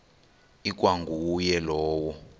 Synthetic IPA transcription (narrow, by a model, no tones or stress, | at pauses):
ik̬ʼwaŋɡuwːjɛlɔːwɔ